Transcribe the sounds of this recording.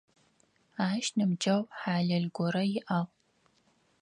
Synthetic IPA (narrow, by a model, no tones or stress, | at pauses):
aːʃnɨmd͡ʒɐwħaːɮɐɮɡʷɔɾɐjɪʔaʁ